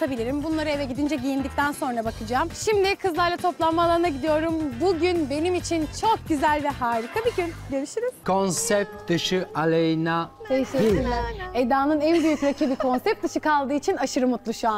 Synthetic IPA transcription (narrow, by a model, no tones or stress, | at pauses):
t̪ʰabilʲiɾimbunlˠaɾɯevɛɟid̪ind͡ʒɛɟijind̪ic̚t̪ʰænso̞nɾabakɯd͡ʒaːmʃimd̪ɪkʰɯzlˠaɾlˠat̪ʰo̞plˠammaːlˠaɾɯnaɟid̪ijo̞ɾumbuɟynbe̞nimit͡ʃʰint͡ʃʰo̞k̚ɟyzælʲvɛɦaːɾikʰabiɟynɟøɾyʃyɾymkʰo̞nsɛp̚t̪d̪ɯʃɯalʲejnat̪ʰejiʃeilʲæɾed̪aːnɯnænbyjykɾacʰibikʰo̞nsɛp̚t̪̚d̪ɯʃɯkalˠd̪ɯːit͡ʃʰinaʃɯɾɯmut̪lˠuʃuan